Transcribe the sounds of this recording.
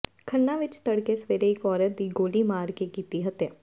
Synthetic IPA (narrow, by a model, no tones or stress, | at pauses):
kʰənːãʋɪt͡ʃt̪əɽkesʋeːɾeɪkɔːɾət̪̚d̪iːɡoːlimaːɾkekiːt̪iɦət̪jaː